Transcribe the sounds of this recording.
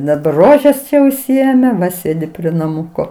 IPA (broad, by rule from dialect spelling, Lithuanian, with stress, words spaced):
dɐˈbɐr ˈroːʒʲɛs ˈt͡ʃʲɛ ʊʃʲsʲɪˈeːmʲɛ ˈʋɐ ˈsʲeːdʲɪ pʲrʲiɛ nɐˈmʊkoː